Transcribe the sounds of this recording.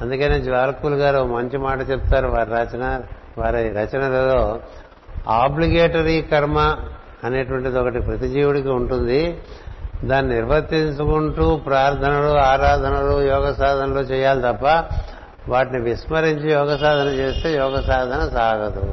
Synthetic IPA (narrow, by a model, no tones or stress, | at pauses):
ɐnd̪ukɐne̞ːd͡ʒʋaːɾɐkuluɡaːɾomɐɲt͡ʃimaːʈɐt͡ʃep̚t̪aːɾuʋaːɾɐt͡ʃɐnɐ | ʋaːɾiɾɐt͡ʃɐnɐɾeːd̪oː | aːbliɡeːʈɐɾikɐɾmɐː | ne̞ːʈɐʋɐɳʈid̪iɔkɐʈipɾɐt̪id͡ʒiːʋuɽɐkiuɳʈund̪i | d̪aːnːiniɾʋɐt̪ːiɲt͡ʃukuɳʈuːpɾaːɾt̪ʰɐnɐluaːɾaːd̪ʱɐnɐlujɔːɡɐsaːd̪ʱɐnɐlo̞ːt͡ʃɛːjaːlit̪ɐpːɐ | ʋaːʈiniʋismɐɾiɲt͡ʃijɔːɡɐsaːd̪ʱɐnɐt͡ʃe̞ːst̪e̞ːjɔːɡɐsaːd̪ʱɐnɐsaːɡɐd̪u